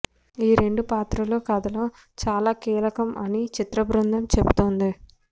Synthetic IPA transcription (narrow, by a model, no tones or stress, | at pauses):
iːɾe̞ɳɖupaːt̪ɾɐloːkɐːd̪ɐloː | t͡ʃaːlaːkiːlɐkɐmɐnit͡ʃit̪ɾɐbɾund̪ʱɐmt͡ʃebu̥t̪oːnd̪i